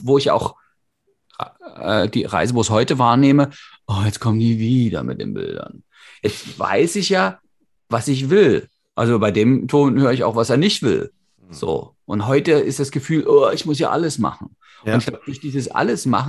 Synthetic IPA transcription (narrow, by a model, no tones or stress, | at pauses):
voːɪçjaaʊx | ʔɛ̰ːdḭːʁa̰ɪzəvoːɪçhɔʏtəvaːɐneːməʔɔːjɛt͡skʰɔməndiːviːdɐ̰mɪt̚d̥ḛːnbɪ̰ldɐ̰n | jɛt͡stv̥a̰ɪsɪçjaː | vasɪç̬v̥ɪl | ʔalzobaɪdeːmtʰoːnhøːʁəɪça̰ʊxv̥aseːɐnɪçtv̥ɪ̰l | z̥o̰ːʔʊntɦɔʏtəɪstd̥asɡ̥əfyːlʔoːɪçmʊsja̰ːʔa̰ləsma̰χn̩ | ʔntɪçɡ̥laʊbəd̥ʊçd̥iːzəsʔa̰ləsma̰χ